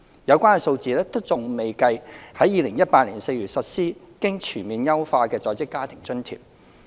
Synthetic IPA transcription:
jɐ˨˧wkʷaː˥nkɛ˧so˧wt͡siː˨˧lɛː˥t̪o˥t͡sʊ˨ŋme˨jkɐ˧jhɐ˨˥jiː˨˧lɪ˨˩ŋjɐ˥t̚paː˧t̚liː˨˩nse˧jɥy˨t̚sɐ˨t̚siː˥ | kɪ˥ŋt͡ʃʰyː˨˩nmiː˨˧njɐ˥wfaː˧kɛː˧t͡sɔː˨˧jt͡sɪ˥kːaː˥t̪ʰɪ˨˩ŋt͡sɵ˥nt̪ʰḭ˨˩p̚

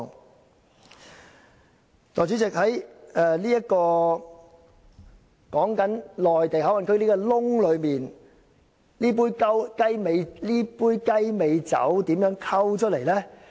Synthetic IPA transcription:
t̪ɔː˨˩jt͡sy˨˥t͡sɪ˨k̚hɐ˨˦˥jɛː˨˧liː˥jɐ˥t̚kɔː˧ | kɔː˨˥ŋkɐ˨˥nlɔː˨jt̪e˨jɦɐ˨˥wɐ˨nkʰɵ˧li˥kɔ˧lʊ˥ŋlɵ˨˧ɥmiː˨˩n | liː˥p̬uː˥jkɐ˥wkɐ˥jme˨˧jliː˥puː˥jkɐ˥jme˨˧jt͡sɐ̰˨˥wt̪iː˨˥mjœː˨˥ŋkʰɐ˥wt͡ʃʰɵ˥t̚le˨˩jlɛː˥

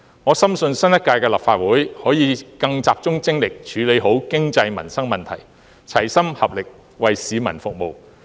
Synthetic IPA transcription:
ŋɔː˨˧sɐ˥msɵ˧nsɐ˥njɐ˥t̚kːaː˧jkɛː˧laː˨p̚faː˧t̚wuː˨˥jhɔː˨˥jiː˨˧kɐ˧ŋt͡saː˨p̚t͡sʊ˥ŋt͡sɪ˥ŋlɪ˨k̚t͡ʃʰyː˨˧˥le˨˧jɦo˨˥wkɪ˥ŋt͡sɐ˧jmɐ̰˨˩nsɐ˥ŋmɐ˨nt̪ʰɐ˨˩j | t͡sʰɐ˨˩jsɐ˥mhɐ˨p̚lɪ˨k̚ | wɐ˨jsiː˨˧mɐ̰˨˩nfʊ˨k̚mo˨w

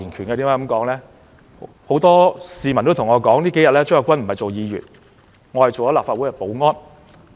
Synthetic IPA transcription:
iː˨˩nkʰyː˨˩nkaː˧i˨˥mː˥˧˥kɐ˨˥mkɔː˨˥ŋlɛː˦˥ | ho˨˥wt̪ɔː˥siː˨˧mɐ˨˩nt̪o˥t̪ʰʊ˨˩ŋɔː˨˧kɔː˨˥ŋliː˥ke˨˥jɐ˨t̚lɛː˥t͡sːŋɐ˨˧wkʷɐ˥nm̩˨˩hɐ˨˩jt͡so˨wjiː˨˧jy̰ː˨t̚ | ŋɔː˨˧hɐ˨jt͡ʃo˨wjɔ˨˥laː˨pfaː˧t̚u˨˥jkɛ˧˩po˨˥wŋɔː˥n

